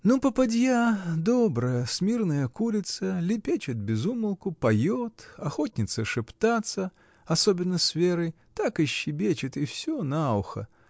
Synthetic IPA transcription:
nopəpɐdʲjad̪obɾəjəsmʲirnəjəkulʲɪt̪səlʲɪpʲet͡ɕɪt̪̚bʲɪzuməlˠkʊpɐjot̪ɐxot̪ʲnʲɪt̪səʂɨpt̪at̪sə | ɐsobʲɪnːəsvʲeɾɨj | t̪akɪɕːɪbʲet͡ɕɪt̪ɪfsʲonaʊxə̰

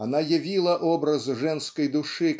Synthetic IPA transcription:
anajavʲilˠɐʔɔbɾɐzʐɛnskɐjd̪uʂɨ

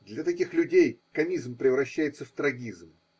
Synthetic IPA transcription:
d̪lʲɐt̪ɐkʲixlʲʉdʲejkɐmʲizmpɾʲɪvɾɐɕːæjɪt̪səft̪ɾɐɡʲizm

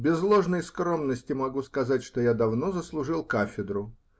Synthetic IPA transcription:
bʲɪzlˠo̞ʐnəjskro̞mnəsʲtʲɪmɐɡuskɐzatʲʂt̪ojad̪ɐvnozəslˠʊʐɨlˠkafʲɪd̪ɾʊ

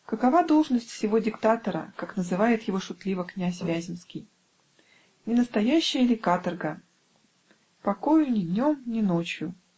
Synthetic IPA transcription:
kəkɐvad̪olˠʐnəsʲtʲfsʲɪvo̞dʲɪkt̪at̪əɾə̰kaknəzɨvajɪt̪jɪvo̞ʂʊt̪lʲivəknʲæsʲvʲæzʲɪmskʲɪj | nʲɪnəst̪ɐjæɕːɪjəlʲɪkat̪ərɡə | pɐko̞jʊnʲɪd̪ʲnʲo̞mnʲɪnot͡ɕjʊ

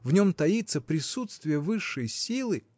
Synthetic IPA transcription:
vnʲo̞mt̪ɐit̪səpɾʲɪsut̪st̪vʲɪjəvɨʂːəjsʲilˠɨ

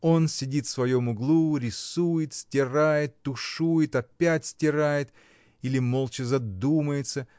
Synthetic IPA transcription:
o̞nsʲɪdʲit̪fsvɐjo̞mʊɡlˠuɾʲɪsujɪt̪sʲtʲɪrajɪt̪ːʊʂujɪt̪ɐpʲætʲsʲtʲɪɾajɪt̪ | ilʲɪmo̞lˠt͡ɕɪzɐd̪uməjɪt̪sə

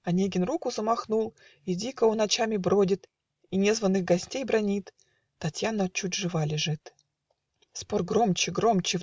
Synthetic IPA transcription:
ɐnʲeɡʲɪnrukʊzəmɐxnulˠ | idʲikəʊnɐt͡ɕamʲɪbɾodʲɪt̪ | inʲezvənːɨxɡɐsʲtʲejbɾɐnʲit̪ | t̪ːɐtʲjanət͡ɕut̚ʲʐɨvalʲɪʐɨt̪ | sporɡɾomt͡ɕɪɡɾo̞mt͡ɕɪv

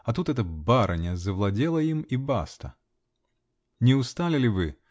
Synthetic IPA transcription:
ɐt̪ut̪ɛt̪əbaɾʔənʲəzəvlˠɐdʲelˠəimiba̰st̪ə̰ | nʲɪʊst̪alʲɪlʲɪvɨ

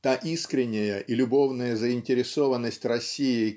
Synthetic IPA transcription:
t̪aʔiskɾʲɪnʲːɪjəʔilʲʊbo̞vnəjəzəɪnʲtʲɪɾʲɪso̞vənːəsʲtʲrɐsʲːijɪ

